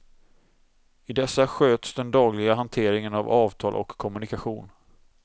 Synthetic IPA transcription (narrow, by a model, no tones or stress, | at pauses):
ɪd̪ɛsːaɧøːt̪sd̪ɛnd̪ɑːɡlɪɡaɦant̪ʰeːɾɪŋənavɑːvt̪ʰɑːlʔɔ̰kʰːɔmɵnɪkaɧuːn